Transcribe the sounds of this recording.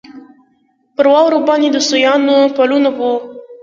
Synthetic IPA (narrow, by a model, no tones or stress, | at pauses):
pəɾwɑwɾobɑned̪əsujɑnopalunabu